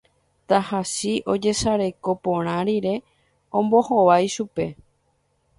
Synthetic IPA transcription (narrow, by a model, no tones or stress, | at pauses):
t̪ahasiʔo̞d͡ʒe̞saɾe̞ko̞põɾ̃ãɾiɾe̞ | õmbohoʋajʃupe̞